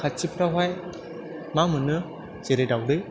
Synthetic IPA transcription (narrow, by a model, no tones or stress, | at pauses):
kʰat̚t͡ʃipʰɾaɦaj | mamɯnɯ | t͡ʃeɾedawdɯj